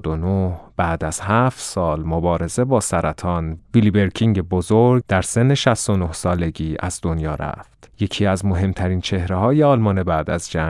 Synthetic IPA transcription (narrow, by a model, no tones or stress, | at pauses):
d̪onohb̥æːd̪æz̥hæft̪sɒːlmobɒːɾe̞ze̞bɒːsæɾʔæt̪ʰɒːnvilibe̞ɾcʰiŋɟe̞bozoɾɡ̚d̪æɾse̞nːe̞ʃæst̪onohsɒːle̞ɟiːæ̰zd̪onjɒːɾæ̰ft̪je̞cʰiːæzmo̞ɦe̞mt̪ʰæɾiːnt͡ʃʰe̞hɾeɦɒːjeɒːlmɒːne̞bæːd̪æzd͡ʒæ